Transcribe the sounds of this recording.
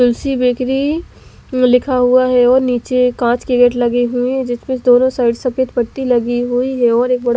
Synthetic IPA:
ʊlsibeːkɾi | lɪkʰaɦuaɦɛɔːɾniːt͡ʃekãːt͡ʃkɪɡeːʈlɐɡiɦʊiɦɛd͡ʒɪsmẽsd̪oːnõsaːɪɖsɐpeːt̪pɐɽt̪ilɐɡiɦʊiɦɛɔːɾeːk̚bɐɽa

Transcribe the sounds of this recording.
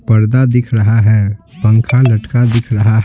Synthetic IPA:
pɐɾd̪ad̪ɪkʰɾɐɦaɦɛːpə̃ŋkʰalɐʈkad̪ɪkʰɾɐɦaɦɛ

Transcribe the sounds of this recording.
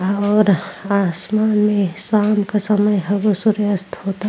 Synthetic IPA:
ɔːɾaːsmaːnmẽsaːmkasɐməjɦɐɡosuɾəst̪ʰhoːt̪a

